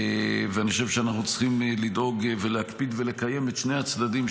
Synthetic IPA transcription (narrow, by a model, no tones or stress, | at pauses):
veaniχoʃevʃeanaχnut͡sχimlid̪o̞ɡvelehakpid̪ve̞le̞kaje̞metʃnehat͡sdadim